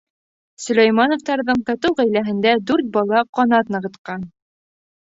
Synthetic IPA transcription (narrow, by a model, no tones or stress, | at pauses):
sɵ̆læjmɑnŏft̪ɑɾðɤɴkɑt̪ɤwʁæjlæɦɘ̆nd̪æd̪ʉɾt̪̚bɑlˠɑqɒnɑt̪nɤ̆ʁɤ̆t̪qɑn